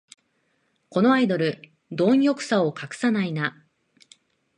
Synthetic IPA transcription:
ko̞no̞aid̪o̞ɾɯ̟ | d̪õ̞ɲjo̞kɯ̟̥sao̞kakɯ̟̥sanaina

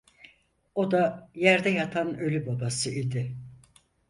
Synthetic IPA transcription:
o̞d̪ajæɾd̪ɛjat̪ʰanø̞lʲybabasɯid̪ɪ

